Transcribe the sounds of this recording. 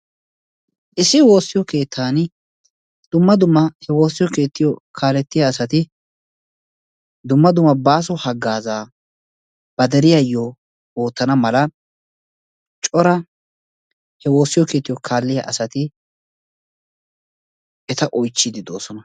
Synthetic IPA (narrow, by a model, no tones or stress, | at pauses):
ʔɪsɪwo̞ːsːɪjɔke̞ːt̪ʰːaːn | d̪̥ʊmːɐd̪ʊmːɐhɛwo̞ːsːɪjɔke̞ːt̪ːɪjɔkʰaːlɛt̪ːɪjɐːsɐt̪ɪ | d̪ʊmːɐd̪ʊmːɐbaːs̬ɔhɐɡːaːzaː | b̥ɐd̪ɛɾɪjɐjːo | wo̞ːt̪ːɐnɐmɐlɐ | t͡ʃʼɔɾɐ | hɛwo̞ːsːɪjɔkeːt̪ːɪjɔkʰaːlːɪjɐ̰ʔɐsɐt̪ɪ | ɛt̪ɐʔɔjt͡ʃːɪd̪ɪd̪o̞ːsɔnɐ